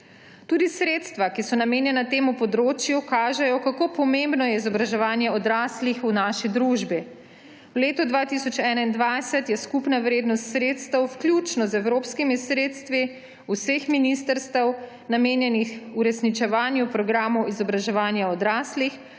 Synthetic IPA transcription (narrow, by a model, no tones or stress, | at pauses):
t̪uːd̪isɾeːt̪st̪ʋakisɔnameːnjɛnat̪eːmupɔd̪ɾoːt͡ʃjukaːʒɛjɔkakoːpɔmẽmbnɔjɛizɔbɾaʒɛʋaːnjɛɔd̪ɾaːslixunaːʃid̪ɾuʒbi | wleːt̪ɔd̪ʋaːt̪isɔt͡ʃɛːnaind̪ʋajsɛt̪jɛskupnaʋɾeːd̪nɔst̪sɾet̪st̪əwwklʲjut͡ʃnɔzɛwɾoːpskimisɾeːt̪st̪ʋi | usexminist̪əɾst̪əw | nameːnjɛnixuɾɛsnit͡ʃɛʋaːnjupɾɔɡɾaːmɔwizɔbɾaʒɛʋaːnjaɔd̪ɾaːslix